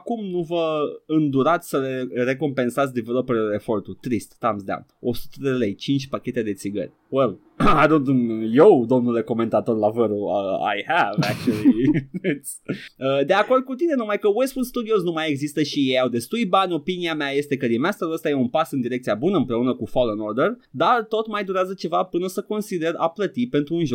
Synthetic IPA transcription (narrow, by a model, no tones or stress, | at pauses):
akumnuvəɨnd̪uɾat̪sʲsəlere̞ko̞mpe̞nsat̪s̬ʲd̪ivelopeɾeule̞fo̞rt̪ut̪ɾist̪ːamsd̪ã̰wno̰su̥t̪əd̪elejt͡ʃint͡ʃʲpakʲe̞t̪e̞d̪e̞t̪siɡə̰rʲ | wel | ajd̪ont̪unjewd̪o̞mnule̞ko̞me̞nt̪at̪o̞rlavəɾua̰jhævæk̚t͡ʃuliit̪səd̪e̞ako̞rd̪̚kut̪ine̞numajkəwesfust̪ud̪ioznumajeɡzist̪əʃijejawd̪e̞st̪uljbanʲo̞piniameaje̞st̪e̞kəɾimast̪əɾuəst̪ajeunpasɨnd̪iɾekt̪sijabunəɨmpɾe̞unəkufolenord̪erd̪art̪o̞t̪majd̪uɾeazət͡ʃe̞vapɨnəsəko̞nsid̪e̞ra̰plət̪ipe̞nt̪ɾuːnʒo